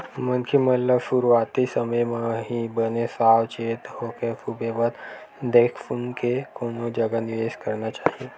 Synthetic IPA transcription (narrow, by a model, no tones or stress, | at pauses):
mənkʰimət̪ləbsuɾaːt̪isəməjmãɦibənesaːwt͡ʃeːt̪hoːkefubeʋət̪ | d̪eːkʰfunkekoːnod͡ʒəɡanɪʋeːʃkəɾnat͡ʃaːɦie